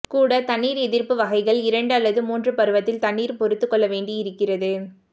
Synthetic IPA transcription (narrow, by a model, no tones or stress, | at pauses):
kuːɽɐt̪ɐɳːiːɾɛðɪɾpɯʋɐɣɐɪɣɐɭɪɾɐɳɖɐlːɐðɯmuːndrɯpɐɾɯʋɐt̪ːɪlt̪ɐɳːiːɾpɔɾɯt̪ːɯkːɔɭːɐʋeːɳɖiɪɾɯkːɪrɐðɯ